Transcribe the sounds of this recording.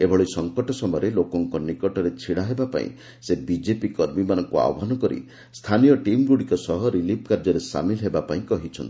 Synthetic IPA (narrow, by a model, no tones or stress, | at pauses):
ebʱɔɭɔisɔŋkɔʈɔsɔmɔjɔɾelokɔŋkɔnikɔʈɔɾet͡ʃʰiɽ̃aɦebapa̰ḭ̃ | sebid͡ʒepikɔɾmimanɔŋkua̰wɔbʱanɔkɔɾḭ | st̪ʰanijɔʈimɡuɽikɔsɔɦɔɾilip̚ʰkaɾd͡ʒɔɾesa̰milɦebapaĩkɔɦit͡ʃʰɔnt̪i